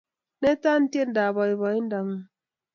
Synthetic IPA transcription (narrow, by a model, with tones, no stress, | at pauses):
ne˦ta˦n̩˦tje˦n̩˦da˨ba˨i˨βa˨i˦n̩˦da˨ŋ˨˦